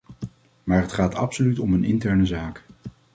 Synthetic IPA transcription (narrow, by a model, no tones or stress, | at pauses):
maːɹɦətχaːtɑ̰psolytɔmənɪ̰ntɛɹnəzaːk